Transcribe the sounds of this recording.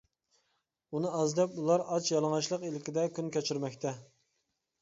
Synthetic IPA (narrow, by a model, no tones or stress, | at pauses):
unɨɑzd̪ɛpulˠɑɾɑt͡ʃʰjɑlˠɨŋɑʃlˠəqilɪkʲid̪ɛkʲynkʲɛt͡ʃʰyɾmɛkʲt̪ʰɛ